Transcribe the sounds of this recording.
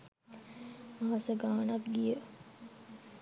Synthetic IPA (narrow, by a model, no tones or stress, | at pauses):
maɦasəɡaːnakɡijə